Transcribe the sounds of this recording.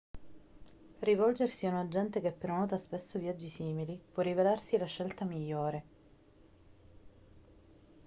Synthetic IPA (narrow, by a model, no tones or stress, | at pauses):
rivɔld͡ʒersiunad͡ʒːɛnt̪ekepːeɾonɔːt̪aspesːovjad͡ʒːisiːmilipwɔrːivelarsilaʃːelt̪amiʎːoːɾe